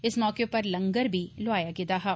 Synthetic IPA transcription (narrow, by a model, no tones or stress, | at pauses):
ɪsmɔːkepɐɾləŋɡəɾbʱiːlʊaːjaːɡɪd̪aːɦɛː